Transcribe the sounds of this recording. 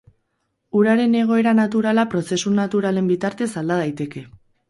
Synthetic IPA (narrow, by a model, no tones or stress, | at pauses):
uɾaɾe̞ne̞ɣ̞o̞e̞ɾanat̪uɾalapɾo̞se̞sunat̪uɾale̞mbit̪aɾt̪e̞sald̪aðajt̪e̞ke̞